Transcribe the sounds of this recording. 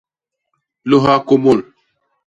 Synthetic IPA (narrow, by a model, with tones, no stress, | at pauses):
lo˦ɦa˦ko˦mo˦˨l